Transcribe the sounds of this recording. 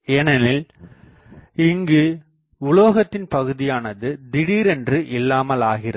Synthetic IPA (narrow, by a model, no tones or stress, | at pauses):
eːnɐnɪl | ɪŋɡɯ | ʊɭoːɣɐt̪ːɪnpɐɣɯðɪjaːnɐðɯd̪ɪɽiːɾɛndrɯʔɪlːaːmɐlaːɣɪrɐ